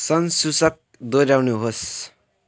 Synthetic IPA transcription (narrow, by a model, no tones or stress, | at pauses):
sʌnsusʌk̚d̪oɾawnuɦos